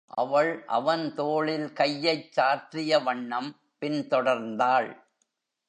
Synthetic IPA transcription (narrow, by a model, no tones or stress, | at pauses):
ʔɐ̰ʋɐɭʔɐ̰ʋɐnt̪oːɭɪlkɐjːɐɪt͡ʃːaːʈrɪjɐʋɐɳːɐm | pɪnt̪ɔɽɐɾnd̪aːɭ